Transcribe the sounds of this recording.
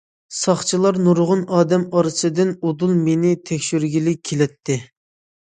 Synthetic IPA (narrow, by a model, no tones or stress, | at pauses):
sɑχt͡ʃʰilˠɑɾnuɾʁʊnɑːd̪ɛmɑɾɨsɨd̪ɪnod̪ulˠmenɪt̪ʰɛkʲʃyɾɡʲilɪelɛt̪ʰːɪ